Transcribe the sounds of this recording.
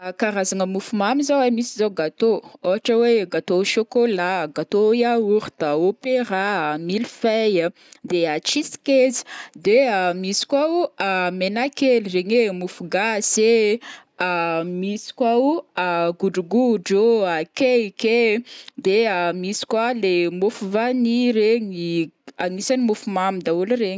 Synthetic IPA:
kaɾazaŋəmufumamizawamisizawɡat̪ooɦaʈ͡ʂəweɡat̪oʃokolaɡat̪ojauɾid̪̥aopeɾamilifajə | d̪eat͡ʃisi̥kezi̥d̪eəmisi̥kwaamenakelireɲemufuɡase | amisi̥kʲwawaɡuɖ͡ʐuɡuɖ͡ʐoakeked̪eamisi̥kwalemofuvaniɾeɲiaŋisanimufumamid̪aulɾeɲ

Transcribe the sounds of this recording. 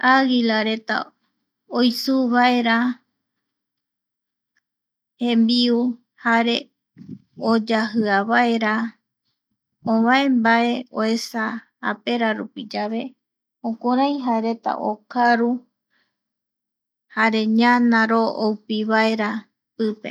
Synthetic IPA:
aɣilaɾe̞t̪a̰ | ojsuβaeɾa | hẽmbiu | haɾe̞ | od͡ʒaɦɨaβaeɾa | õβae̞mbae̞oe̞sa | a̰pe̞ɾaɾupid͡ʒaβe̞ | õkoɾaj̃ɦaeɾe̞t̪a̰ʔo̰kaɾu | haɾe̞ɲãnãɾoowpiβae̞ɾa | pɨpḛ

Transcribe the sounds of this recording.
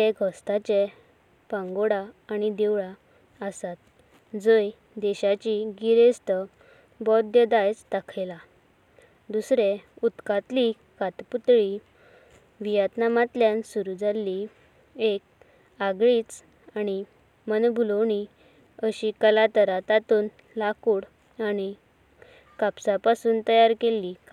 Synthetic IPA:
eɡʱɔst̪at͡ɕe | pãŋɡoɽaːɽ̃id̪eʋɭa | əsat̪ | d͡zəj | d̪ɛɕat͡ɕiɡiɾest̪ə | bɔd̪jəd̪ajt͡st̪akʰejla | d̪usɾeut̪kat̪li | kat̪put̪ɭi | ʋijat̪namat̪ljansuɾud͡zalːi | ek̚ | aɡɭiːt͡s | aɽ̃i | mənbʱulowɳ̃i | əɕikəlat̪əɾat̪at̪uːn | lakuːɽ | aɽ̃i | kapsapasuːnt̪əjaɾkelːika

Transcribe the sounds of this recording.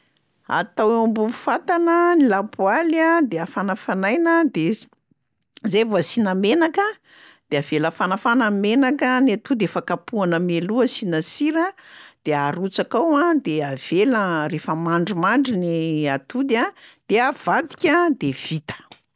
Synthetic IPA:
a̰t̪awambufat̪anənilapualad̪eafanəfanajnəd̪e | zejvuasinamenakə | d̪̥eaveləfanafanamenakanat̪ud̪efakapuanəmeluəsinasiɾəd̪̥eaɾut͡sakawãd̪eav̥elərefəmaɳɖ͡ʐimaɳɖ͡ʐiniat̪ud̪ad̪̥eav̥ad̪i̥kʲad̪ev̥it̪ə̥

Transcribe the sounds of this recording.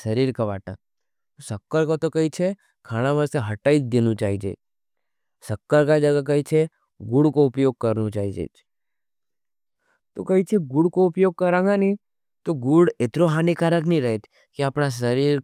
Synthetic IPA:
səɾiɾkəʋaʈã | t̪osəkːəɾkot̪okəɦit͡ʃʰe | kʰaɽ̃ãʋəseɦəʈaid͡ʒd̪enũt͡ʃaɦid͡ʒḛ | səkːəɾkad͡ʒəɡakəit͡ʃʰe | ɡuɽkoʊpjoɡ̚kəɾnũt͡ʃaːɦid͡ʒḛ | t̪o̰kəɦit͡ʃʰeɡuɽkoʊpjoɡ̚kəɾãŋɡani | t̪oɡuɽet̪ɾoɦanikaɾəknĩɾəɦet͡ʃʰ | keapɽ̃as̬əɾiɾ

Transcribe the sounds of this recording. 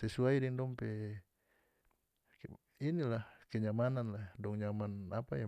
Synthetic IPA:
sesuaiɾiŋdɔmpe | inilakeɲamananladɔŋɲamanapaja

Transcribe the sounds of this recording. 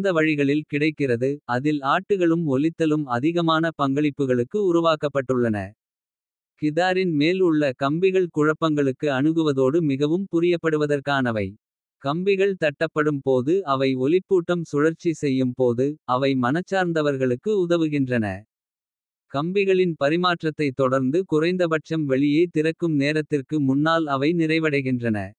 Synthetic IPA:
nd̪ɐʋɐɻɪɣɐɭɪlkɪɽɐɪkːɪrɐðɯɐðɪlaːʈːɯɣɐɭɯmɔlɪt̪ːɐlɯmɐðɪɣɐmaːnɐpɐŋɡɐɭɪpːɯɣɐɭɯkːɯʊɾʊʋaːkɐpːɐʈːɯɭːɐnɐ̰ | kɪðaːɾɪnmeːlʊɭːɐkɐmbɪɣɐɭkʊɻɐpːɐŋɡɐɭɯkːɯɐɳɯɣɯʋɐðoːɽɯmɪɣɐʋɯmpʊɾɪjɐpːɐɽɯʋɐðɐrkaːnɐʋɐɪ | kɐmbɪɣɐɭt̪ɐʈːɐpːɐɽɯmpoːðɯɐʋɐɪɔlɪpːuːʈːɐmsʊɻɐɾt͡ʃːisɛjːɯmpoːðɯɐʋɐɪmɐnɐt͡ʃːaːɾnd̪ɐʋɐɾɣɐɭɯkːɯʊðɐʋɯɣɪndrɐnɐ̰ | kɐmbɪɣɐɭɪnpɐɾɪmaːʈrɐt̪ːɐɪt̪ːɔɽɐɾnd̪ɯkʊrɐɪnd̪ɐbɐʈt͡ʃɐmʋɛɭɪjeːt̪ɪrɐkːɯmneːɾɐt̪ːɪrkɯmʊnːaːlɐʋɐɪnɪrɐɪʋɐɽɐɪɣɪndrɐnɐ̰

